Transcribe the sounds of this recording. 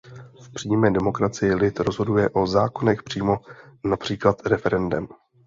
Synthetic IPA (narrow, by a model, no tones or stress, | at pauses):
fpr̥iːmɛːdɛmo̞kɾat͡sɪjɪlɪt̪ɾo̞zɦodujɛʔo̞zaːko̞nɛxpr̝̥iːmo̞napr̝̥iːklat̪ɾɛfɛɾɛndɛm